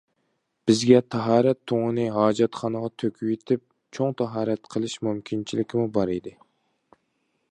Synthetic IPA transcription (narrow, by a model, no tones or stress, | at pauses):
b̥ɪzɡʲɛt̪ʰɑɦɑːɾɛt̪ʰːoŋənɨɦɑːd͡ʒɑt̪χɑnəʁɑt̪ʰøkʲʰywet̪ʰɪp̚ | t͡ʃʰoŋt̪ʰɑɦɑːɾɛt̪qʰəlˠɨʃmymkʲʰint͡ʃʰilɪkʲɪmubɑɾid̪ɨ